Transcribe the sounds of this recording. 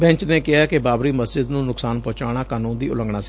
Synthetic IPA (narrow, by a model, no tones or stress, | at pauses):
bɛ̃ːɲt͡ʃneːkɪɦaːkɪbaːbɾiːməsd͡ʒɪd̪nũːnʊksaːnpɔ̃ːt͡ʃaːɽ̃aːkaːnũːd̪iːʊ̰lə̃ŋɡɳaːsɪ̥